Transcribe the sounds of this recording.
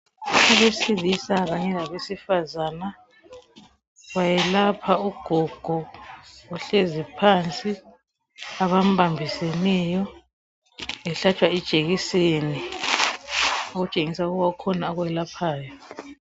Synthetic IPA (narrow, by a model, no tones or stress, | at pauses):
uβesiβisaɣaɲɛlaβesifazaːna | ɣwajɛlapʰauɡ̥ʱɔɡ̥ʱɔ | uɬezipʰant͡sʼi | aβam̩bʱambʱisenɛjɔ | ɛɬat͡ʃʼwaid̥t͡ʃʼeɣiseni | oɣut͡ʃʼeŋisauɣuβaukʰɔnaːɣujɛlapʰaːjɔ